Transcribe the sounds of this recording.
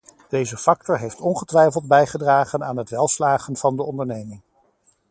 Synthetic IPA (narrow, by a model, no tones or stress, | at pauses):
d̥ejzəfɑk̚tɔɹɦejftɔnχətʋɛjfəlˠd̚bɛjχədraːχənaːnɦətʋɛlˠslaːχənv̥ɑndəɔndəɹnejmɪŋ